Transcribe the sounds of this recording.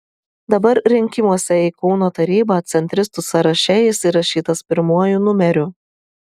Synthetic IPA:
d̪ɐbɐɾɾʲɪŋʲkʲɪmuɔsʲɛiːkɔʊnoːt̪ɐɾʲiːbɑːt̪ʲsʲɛnʲt̪ʲɾʲɪst̪ʊsɐɾɐʃʲɛjɪsiːɾɐʃʲiːt̪ɐspʲɪɾmuɔjunʊmʲɛɾʲʊ

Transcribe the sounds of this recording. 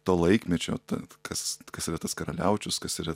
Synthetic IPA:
t̪oːlˠɐɪkmʲɛt͡ʃʲo̰ːt̪ɐ̰kʰɐskɐsiɾɐt̪ɐskɐɾɐlʲæʊt͡ʃʲʊskɐsɪɾɐ

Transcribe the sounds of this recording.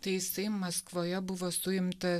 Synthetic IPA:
t̪ɐɪjɪsɐɪmɐskʋoːjɛbʊʋoːsʊɪmt̪ɐ

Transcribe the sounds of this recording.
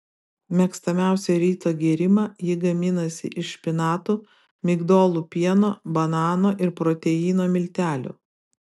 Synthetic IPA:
mʲɛkst̪ɐmʲæˑʊsʲɛɾʲiːt̪oːɡʲiɛɾʲɪmɑːjɪɡɐmʲɪnɐsʲɪ̰ʔɪʃpʲɪnɑːt̪uː | mʲɪɡd̪oːlˠupʲiɛnoːbɐnɑːnoːʔɪɾpɾɔːt̪ʲɛjiːnoːmʲɪlʲt̪ʲæːlʲṵː

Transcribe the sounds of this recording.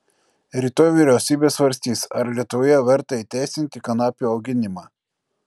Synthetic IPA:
ɾʲiːt̪oːjʋʲiɾʲɛʊsʲiːbʲeːsʋɐɾʲsʲt̪ʲiːsɐɾlʲiɛt̪ʊʋoːjɛʋʲɛɾt̪ɐiːt̪ʲæˑɪsʲɪnʲt̪ʲɪkɐnɑːpʲuːɐʊɡʲɪnʲɪmɑː

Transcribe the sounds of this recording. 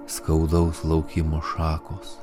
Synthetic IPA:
skɐʊd̪ɐʊslˠɐʊkʲimoːʃɑːkoːs

